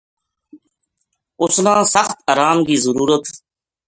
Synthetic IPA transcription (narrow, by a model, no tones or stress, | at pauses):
ʊslãːsəxt̪əɾaːmkiːzəɾuːɾət̪